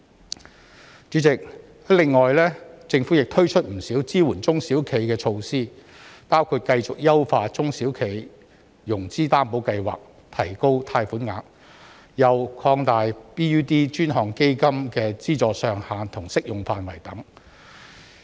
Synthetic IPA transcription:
t͡ʃy˨˥t͡sɪ˨k̚ | lɪ˨ŋːɔː˨jlɛː˥t͡sɪ˧ŋfuː˨˥jɪ˨k̚t̪ʰɵ˥ɥt͡ʃʰɵ˥t̚m̩˨˩siː˨˥wt͡siː˥wuː˨˩nt͡sʊ˥ŋsiː˨˥wkʰe˨˩jkɛː˧t͡ʃʰo˧wsiː˥ | paː˥wkʰuː˧t̚kɐ˧jt͡sʊ˨k̚jɐ˥wfaː˧t͡sʊ˥ŋsiː˨˥wkʰe˨˩j | jʊ˨˩ŋt͡siː˥t̪aː˥mpo˨˧˥wkɐ˧jwa̰ː˨k̚ | t̪ʰɐ˨˩jko˥wt̪ʰaː˧jfuː˨˥nŋaː˨˧˥k̚ | jɐ˨wkʰɔː˧ŋt̪aː˨jpiː˥yː˥t̪iː˥t͡ʃyː˥nɦɔː˨ŋke˥jkɐ˥mkɛː˧t͡siː˥t͡sɔː˧sœː˧ŋhaː˨˧nt̪ʰʊ˨˩ŋsɪ˥k̚jʊ˨ŋfaː˨˧nwɐ˨˩jt̪ɐ˨˥ŋ

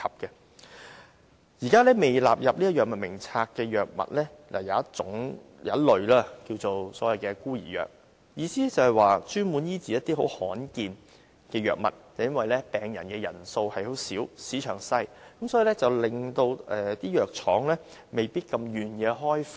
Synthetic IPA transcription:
kʰɐ˨p̚kɛ˧ | jiː˨˩kaː˥lɛː˥me˨˩jla̰ː˨p̚jɐ˨p̚liː˥ɐ˥jœː˨k̚mɐ˨t̚mɪ˨˩ŋt͡sʰaː˧kːɛː˧jœː˨k̚mɐ̰˨t̚lɛː˥ | lʔa̰ː˨˩jɐ˨˦ɐ˥tt͡sʊ̰˨˥ŋ | jɐ˨˧˥lɵ˨ɥlaː˥kiː˧wt͡so˨wsɔː˨˥jɐ˨jkɛː˧kuː˥jḭː˨˩jœ̰ː˨k̚ | jiː˨˧siː˥ɛ˥t͡sɐ˨˩whɐ˨jwaː˨˩t͡ʃyː˥nwuː˨˥njiː˥t͡siː˨˦jɐ˥t̚t̪iː˥ɦo˨˥whɔː˨˥nkiː˨n | kɛː˧jœ̰ː˨k̚mɐ̰˨t̚t͡sɐ˨˩jɐ˥nwɐ˨jlɛː˥pɛː˨ŋjɐ̰˨˩nkɛː˧jɐ̰˨˩nso˧whɐ˨jho˨˥wsiː˨˥wsiː˨˥t͡ʃʰœː˨˩ŋsɐ˥jkɐ˨˦msɔ˨˥jiː˨lɛ˥t͡sɐ˨wlɪ˨ŋt̪o˧wɛː˨t̪iː˥jœː˨k̚t͡ʃʰɔ̰ː˨˥ŋlɛː˥ | me˨jpiː˥t̚kɐ˧mjyː˨˩njɛː˨˧ɦɔː˥jf

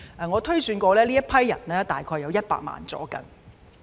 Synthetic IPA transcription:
ʔɛ˨ŋɔː˨˧t̪ʰɵ˥ɥsyː˨˧nkʷɔː˧lɛː˥liː˥jɐ˥pʰɐ˥jːɐ̰˨˩nlɛː˥t̪aː˨jkʰɔː˧jːɐ˨˧wjɐ˥t̚pa̰ː˧k̚ma̰ː˨nt͡sɔ̰ː˨˥kɐ̰˧ŋ

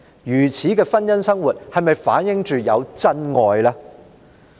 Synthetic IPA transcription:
jyː˨˩t͡sʰiː˨˥kɛː˧fɐ˥njɐ˥nsɐ˥ŋwuː˨˩t̚hɐ˨jmɐ˨jfaː˨˥njɪ˨ŋt͡ʃyː˨jɐ˨˧wt͡sɐ˥nŋɔː˨jlaː˥

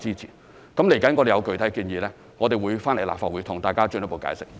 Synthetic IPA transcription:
t͡siː˥t͡sʰḭ˨˩n | kɐ˨˥mle˨˩jkɐ˨˥nkɔː˨˧t̪e˨jɐ˨˧wkɵ˨ɥt̪ʰɐ˨˥jkiː˧njiː˨˧lɛː˥ | ŋɔː˨˧t̪e˨jwu˨˧jfaː˥nle˨˩jla̰ː˨p̚faː˧t̚wuː˨˥t̪ʰʊ˨˩ŋt̪aː˨jkaː˥t͡ʃɵ˧njɐ˥po˨˧wka̰ː˧˥jsɪ˥k̚

